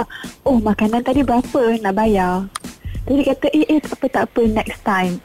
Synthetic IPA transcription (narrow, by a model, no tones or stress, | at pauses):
ʔohmãkanãnt̪adibəɾapənaʔbaja | t̪adikat̪əʔeʔet̪aʔpət̪aʔpənɛkst̪ãjm